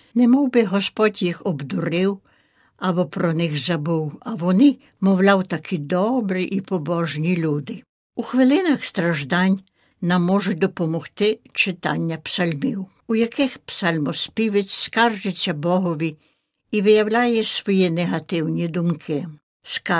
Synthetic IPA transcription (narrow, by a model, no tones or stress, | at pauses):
nɛmɔwbɪɦɔspɔdʲjixɔbd̪uɾɪw | ɐbɔpɾɔnɪxzɐbuwɐʋɔnɪ | mɔwlʲawt̪ɐkʰid̪ɔbɾiʔipɔbɔʒnʲilʲud̪ɪ | uxʋɪlˠɪnɐxst̪ɾɐʒd̪ɑnʲ | nɐmːɔʒʊd̪ɔpɔmɔxt̪ɪt͡ʃɪt̪ɑ̰nʲːɐpsɐlʲmiw | ujɐkɪxpsɐlʲmɔspʲiʋɪt͡sʲskɑrd͡ʒet͡sʲːɐbɔɦɔʋʲi | iʋɪjɐwlʲajɛsʋɔjineɦɐt̪ɪwnʲid̪umkʰɪ | skɑ